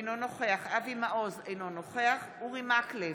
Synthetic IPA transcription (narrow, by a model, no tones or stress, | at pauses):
nonoχeaχavimaʔozejnonoχeaχuʁimakle